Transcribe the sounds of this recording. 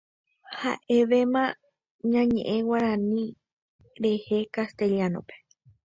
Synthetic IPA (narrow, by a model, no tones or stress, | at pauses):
ha̰ʔe̞ʋemã | ɲãɲẽʔẽwaɾãnĩ | ɾe̞he̞kast̪e̞ʎianõ̰pe̥